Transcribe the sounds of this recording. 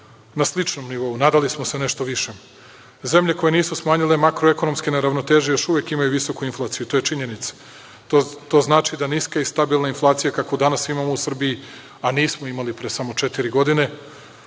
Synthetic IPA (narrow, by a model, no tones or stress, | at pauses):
naslit͡ʃnomniʋo̞unaːd̪alismo̞sene̞ʃt̪o̞ʋiʃe | ze̞mʎe̞ko̞je̞niːsusmaːɲilemakɾoeko̞no̞mskeneɾaʋno̞t̪eːʒijo̞ʃuʋekimajuʋiso̞kuinflˠaːt̪sijut̪o̞ːjet͡ʃiɲe̞nit̪sḁ | t̪o̞ːznaːt͡ʃid̪aniːskaist̪abilˠnainflˠaːt̪sijakakod̪anasimamo̞usr̩biji | aniːsmoimalipɾesamo̞t͡ʃe̞t̪iɾiɡo̞d̪ine̞